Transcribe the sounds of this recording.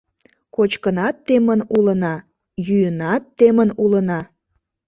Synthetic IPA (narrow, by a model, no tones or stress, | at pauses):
kot͡ɕkənɑt̪ːemənulənɑ | jyjənɑt̪ːemənulənɑ